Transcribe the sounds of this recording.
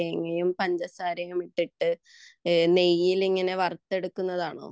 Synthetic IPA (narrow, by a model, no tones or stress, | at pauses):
eŋːɐjumpɐɲd͡ʑɐsaːɾɐjumiʈːiʈːɨ | ne̞jːiliŋːɐne̞ʋɐrt̪ːe̞ɽukːunːɐðaːɳo̰ː